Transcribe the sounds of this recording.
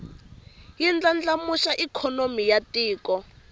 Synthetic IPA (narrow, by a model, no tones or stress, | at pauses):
jind͡ɮand͡ɮamuʃaʔikʰɔnomijatʼiːkɔ